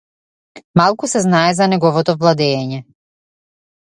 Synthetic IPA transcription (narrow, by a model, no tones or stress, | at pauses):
malˠkusɛznaɛzanɛɡɔvɔt̪ɔvlˠad̪ɛːɲɛ